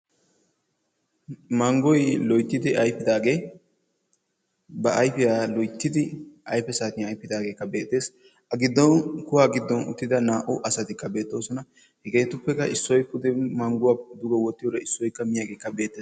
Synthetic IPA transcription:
mɐŋɡɔjlɔjt̪ːɪd̪ɪɐjpːɪd̪aːɡe̞ː | bɐʔɐjpɪjaːlɔjt̪ːɪd̪ɪʔɐjpɛsaːt̪ɪɐjpːɪd̪aːɡe̞ːkːɐbe̞ːt̪ʼːe̞ːs | ʔɐɡɪd̪ːɔnkʊwaːɡɪd̪ːɔnʊ̰t̪ːɪd̪ɐnaːʔʊʔɐsɐt̪ɪkːɐbe̞ːt̪ːo̞ːsɔnɐ | hɛɡeːt̪ʊpːɛkɐʔɪsːɔjkːʊd̪ɛmɐŋɡʊwad̪ʊɡɔwɔt̪ːɪjoɾɛɪsːɔjkːɐmɪjaːɡe̞ːkːɐbe̞ːt̪ːeːs

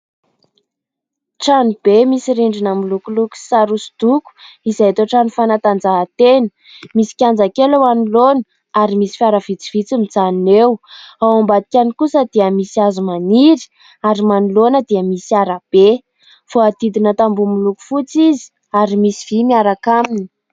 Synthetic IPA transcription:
ʈ͡ʂanub̥emisiɾiɳɖ͡ʐinamilukuluku̥saɾusi̥d̪̥uku̥izajt̪oʈ͡ʂanufanat̪and͡zaɦat̪enə̥ | misi̥kʲand͡zakelawanulonə | aɾimisi̥faɾəv̥it͡si̥v̥it͡simid͡zaninewawambad̪ikʲanikusəd̪̥eəmisiazumaniɾi̥ | aɾimanulonəd̪iəmisiaɾab̥e | foat̪id̪inət̪ambumiluku̥fut͡sizi̥ | aɾimisiv̥imiaɾakamini̥

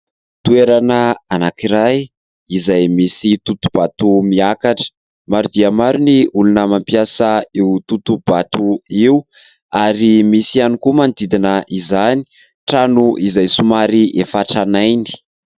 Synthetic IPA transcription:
t̪ueɾanəanakiɾaj | izajmisit̪ut̪ub̥at̪umiakaʈ͡ʂə̥ | maɾud̪iəmaɾuniulunəmampiasəeut̪ut̪ub̥at̪uiu | aɾimisianikumand̪id̪inəʔizani̥ | ʈ͡ʂanuʔizajsumaɾiʔefaʈ͡ʂanajni̥

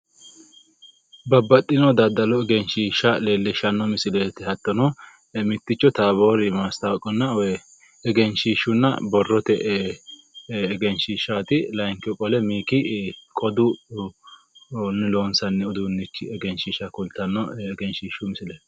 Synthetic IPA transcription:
bɐbːɐt̪ʼːɪnɔd̪ɐd̪ːɐlɔɛɡɛnʃiːʃɐleːlːɪʃɐnːɔmɪsɪleːt̪ɪhɐt̪ːɔnɔ | mɪt̪ːɪt͡ʃːɔt̪aːboːɾɪmaːst̪ɐwkʼːɔnːɐw | ɛɡɛnʃiːʃːʊnːɐ̰bɔrːɔt̪ɛʔ | ɡɛnʃiːʃːat̪ɪlɐŋkɔkʼɔlɛmiːkɪkʼɔd̪ʊ | nːɪloːnsɐnːɛʊd̪unːɪt͡ʃːɪɛɡɛnʃiːʃɐkʊlt̪ːɐnːɔɛɡɛnʃiːʃʊmɪsɪleːt̪

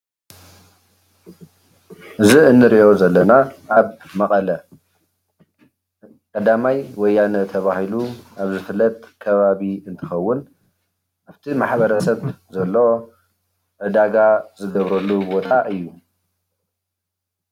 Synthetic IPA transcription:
ʔɨziɨnːɨɾiʔo̞zɐlːɐnaʔaβ | mɐqʼɐlɐ | kʼɐd̪amajwɔjːanɐt̪ʰɐβahiluʔaβzɨfɨlːɐt̪ʼkʰɐβaβiɨnt̪ʰɨxɐwːʊn | ʔaβt̪ʰimaħbɐɾɐsɐβzɐlːo | ʕɨd̪aɡazɨɡɐβɾɐlːubo̞t̪ʼaʔɨjːu

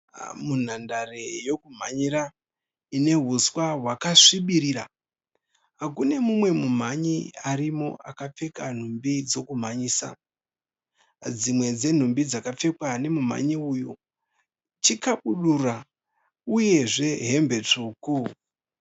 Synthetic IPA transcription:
mun̤andarejo̞kum̤aɲiɾa | ine̞ɦuswaɦwakaʂiɓiɾiɾa | ɦakune̞mumwe̞mum̤aɲiaɾimo̞̰akap͡fe̞kan̤umbid͡zo̞kum̤aɲiːsa̰ | d͡zimwe̞d͡ze̞n̤umbid͡zakap͡fe̞kwane̞mum̤a̰ɲiuju | t͡ʃikaɓuɗura | uje̞ʐe̞ɦe̞mbe̞t͡ʂuːku

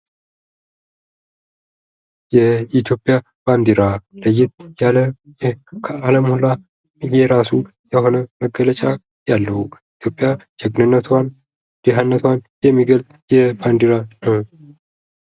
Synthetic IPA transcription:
jɛit̪ʰjo̞pʼja | b̥and̪iɾaləjːɪt̪̚jalə | kʰəaləmhula | jɛɾasu | jɛho̞nəməɡələt͡ʃʼa | jalːəhuit̪ʰjo̞pʼːjad͡ʒɛɡnɨnːət̪ʰan | d̪̥eɦanːət̪ʰwan | jɛmːiɡəlt̪ʼjɛband̪iɾanəw

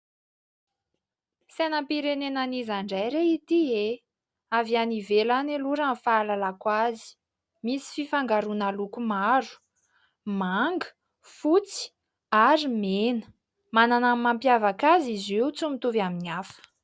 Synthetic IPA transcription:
senəmpiɾenenanizaɳɖ͡ʐajɾeit̪ie | avianivelaneluɾamfaalalakwazi̥ | misi̥fifaŋɡaɾunalukumaɾu̥ | maŋɡə̥ | fut͡si̥ | aɾimenə̥ | mananammampjavakazizeut͡sumit̪uvaminiafə̥

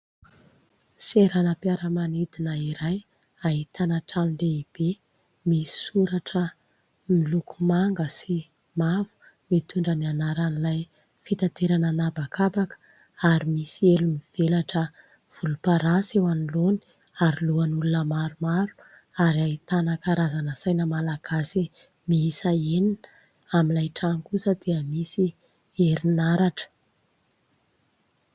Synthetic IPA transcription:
seɾanəpjaɾəmanid̪inəiɾaj | aɦit̪anaʈ͡ʂanileib̥e | misi̥suɾaʈ͡ʂə | milukʰu̥maŋɡəsi | mavu̥ | wet̪uɳɖ͡ʐənianaɾanilaj | fit̪at̪eɾananabakabakə̥ | aɾimisielumiv̥elaʈ͡ʂə | v̥ulupaɾasewaniloni̥ | aɾiluanulunəmaɾumaɾu̥ | aɾajt̪anakaɾazanəsajnəmalaɡ̥asi | miisaeninə̥ | amilajʈ͡ʂaŋkusəd̪̥eəmisi | eɾinaɾaʈ͡ʂə̥

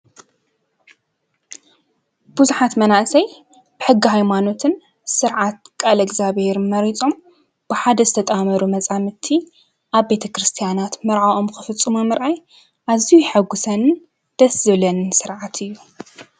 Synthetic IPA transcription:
b̥uzuħat̪mɐnaʔsɐj | b̥ɨħɨɡːiɦajmano̞t̪ʰɨn | sɨɾʕat̪̚kʼalɐɡzaβhe̞ɾɨnmɐɾit͡sʼo̞m | b̥ɨħad̪ɐzɨt̪ʰɐt̪ʼamɐɾumɐt͡sʼamɨt̪ʰːi | ʔaβːe̞t̪ʰɐkɾɨst̪ʰijanat̪mɐɾʕaʔo̞mkɨfɨt͡sʼːɨmɐmɨɾʔaj | ʔazijujħaɡusɐnɨn | d̪̥ɐszɨβlɐnɨnsɨɾʕat̪ʰɨjːu

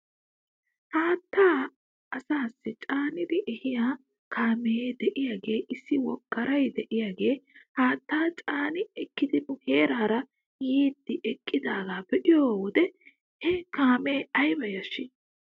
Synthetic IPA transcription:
haːt̪ːaː | ɐsaːsːɪt͡ʃʼaːnɪd̪ɪʔɛhɪjaː | kʰaːmɛjeːd̪ɛʔɪjaːɡe̞ːʔɪsːɪwɔɡːɐɾɐjd̪ɛʔɪjaːɡe̞ːhaːt̪ːaːt͡ʃʼaːnɪɛkːɪd̪ɪʔʊheːɾaːɾɐ | jiːd̪ːɪʔɛkʼːɪd̪aːɡaːbɛʔɪjoːwɔd̪ɛ | hɛkaːmeːɐjbɐjɐʃɪ

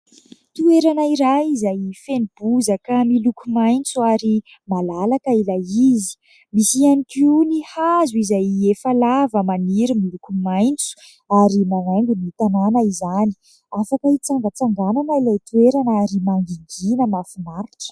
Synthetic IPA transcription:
t̪ueɾanəiɾajizajfenib̥uzəkamilukumajnt͡suaɾi | malalakəilajizi̥ | misianikinihazuizajefalavəmaniɾimilukumajnt͡su̥ | aɾimanaŋɡunit̪ananəizani̥ | afakəit͡saŋɡət͡saŋɡananailajt̪ueɾanaɾimaŋɡiŋɡinəmafimaɾiʈ͡ʂə̥

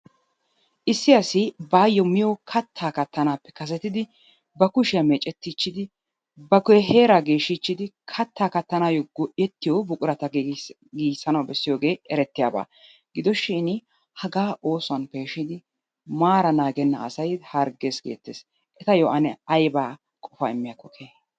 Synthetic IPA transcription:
ʔɪsːɪɐsɪbaːjːɔmɪjɔkʰɐt̪ʰːaːkɐt̪ːɐnaːpːɛ̥kɐs̬ɛt̪ɪd̪ɪ | bɐkʊʃɪjɐmɛːt͡ʃʼɛt̪ːɪt͡ʃːɪd̪ɪ | bɐkʊɦe̞ːɾaɡeːʃɪt͡ʃːɪd̪ɪkʰɐt̪ːaːkɐt̪ːɐnaːjɔɡɔʔjɛt̪ːɪjɔbʊkʼʊɾɐt̪ɐɡ | ɡiːsɐnɐwbɛsːɪjoːɡe̞ːʔɛɾɛt̪ːɪja̰ːba̰ː | ɡɪd̪ɔʃiːn | hɐɡaːʔo̞ːsʊɐnpeːʃɪd̪ɪ | maːɾɐnaːɡɛnːɐ̰ʔːsɐjhɐɾɡe̞ːsɡeːt̪ːeːs | ɛt̪ɐjɔʔɐnɛɐjbaː | kʼɔfɐ̰ɪmːɪjakːɔkʰeː

